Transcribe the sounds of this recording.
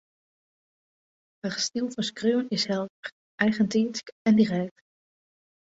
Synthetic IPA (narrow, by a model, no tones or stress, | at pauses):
haχstilˠvɑskrøwənɪsɦɛlˠdəɹ | ʔɛjχəntinskɛndirɛk̚t